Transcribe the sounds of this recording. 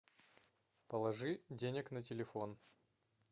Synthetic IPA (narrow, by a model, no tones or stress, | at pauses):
pəlˠɐʐɨdʲenʲɪknət̬ʲɪlʲɪfon